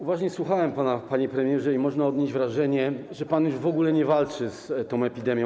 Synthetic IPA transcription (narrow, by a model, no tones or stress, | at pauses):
uvaʐɲɛswuxawɛmpanapaɲɛpɾɛmʲjɛʐɛimɔʐnaɔd̪ɲeʑd͡ʑvɾaʐɛɲɛʐɛpanjuʐvɔɡulɛɲɛvalt͡ʂɘst̪ɔ̃w̃ɛpʲid̪ɛmʲjɔ̃